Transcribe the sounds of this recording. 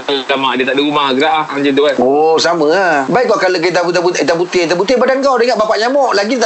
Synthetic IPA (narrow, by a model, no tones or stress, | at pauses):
alamaʔdiət̪aʔdiɾumaɡɾaʔhaŋd͡ʒəduanosaməbaiʔkakaloket̪abut̪̬abuit̪abut̪it̪abut̪ɪbadankawdəŋaʔbapaʔɲamɔʔlaɡit̪a